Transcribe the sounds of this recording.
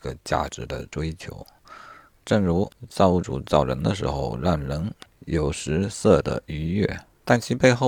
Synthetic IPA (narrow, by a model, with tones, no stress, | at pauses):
ɡə˧t͡ɕja̰˥˩ʈ͡ʂɻ̩˧˥d̪ə̰˧ʈ͡ʂwe˥ɪt͡ɕʰjo˧˥ʊ | ʈ͡ʂɤ˥˩ŋɻu˧˥t͡sɑ˥˧ʊu˥˩ʈ͡ʂṵ˨˩t͡sɑ˥˩ʊɻə̰˧˥nd̪ə˧ʂ̬ɻ̩˧˥xo˧ʊɻa˥˩nlə˧˥ŋjo˨˩ʊʂɻ̩˧˥sɤ˥˩d̪ə̰˩y˧˥ɥɛ̰˥˩ | t̪a˥˩nt͡ɕʰi˧˥pe˥˧ɪxo˥˧˩